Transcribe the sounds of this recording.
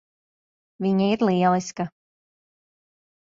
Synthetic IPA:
viɲaiɾlˠiɛlˠiska

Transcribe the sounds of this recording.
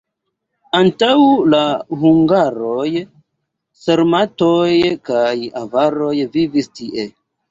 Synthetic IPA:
antawlahuŋɡaɾo̞j | seɾmatojkajavaɾo̞jvivistiʔe

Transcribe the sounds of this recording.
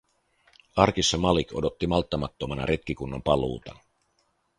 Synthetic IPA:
ɑrk̟isːɑmɑliko̞do̞t̪ːimɑlt̪ːɑmɑt̪ːomɑnɑ̰ɾʔe̞t̪k̟ikunːompɑlṵːt̪ɑnɑ

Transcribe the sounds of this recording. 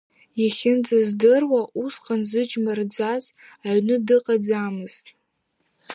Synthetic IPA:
jaχʲɪnd͡zazdɨrwaʔusqʼanzɨd͡ʒmard͡zaz | aɥnɨdɨqʼad͡zamɨz̥tʼ

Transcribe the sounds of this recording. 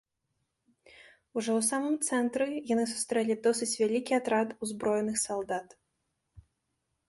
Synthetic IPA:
uʐɔwsamɨmt̪sɛnt̪ɾɨjanɨsu̥st̪ɾɛlʲid̪ɔsɨt͡sʲvʲalʲikʲiat̪ɾat̪uzbɾɔjɛnɨxsalˠd̪at̪

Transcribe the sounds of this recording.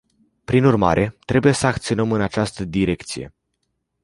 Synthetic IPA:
pɾinurma̰ɾʔe̞t̪ɾe̞buje̞səakt̪sio̞nəmɨnat͡ʃast̪əd̪iɾe̞k̚t̪sije̞̰

